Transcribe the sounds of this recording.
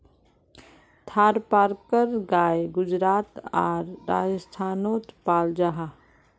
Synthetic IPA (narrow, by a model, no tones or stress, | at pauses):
t̪ʰaːɾpaːɾkəɾɡajɡʊd͡ʒɾaːt̪a̰ɾːa̰d͡ʒəst̪ʰanot̪paːld͡ʒaɦa